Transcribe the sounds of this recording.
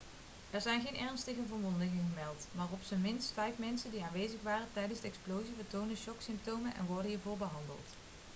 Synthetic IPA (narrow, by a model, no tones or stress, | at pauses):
ɛɹzɛjnɣejnʔɛɹnstəɣəvəɹmɔndəŋɪŋəmɛlˠtmaːrɔpsəmɪnstfɛjfmɛnsəndiaːnʋejzəχʋaːrətɛjdənzdəɛksplowzivəɹtowndəʃɔksɪmp̚towmənʔɛ̰nʋɔɹdənɦiːɹvʊːɹbəɦɑndə̰lˠt